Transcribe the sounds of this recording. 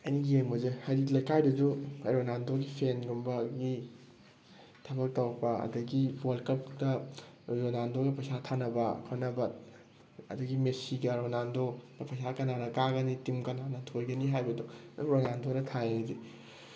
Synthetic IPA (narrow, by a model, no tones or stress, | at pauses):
ɐniɡiemozehajɾilɐjkajdɐzuɐjɾonandoɡipʰenɡumbɐɡi | tʰɐbɐk̚tɐwbɐɐ̰dɐɡiwɐlkɐp̚ɡɐ | ɾonandoɡɐpʰɐsatʰanɐbɐkʰonɐbɐt̚ | ɐ̰dɐɡimesiɡɐɾonandoɡɐpʰɐjsakɐnanɐkaɡɐnitimkɐnanɐtʰojɡɐniɦajbɐdoɾonandoɾɐtʰajzi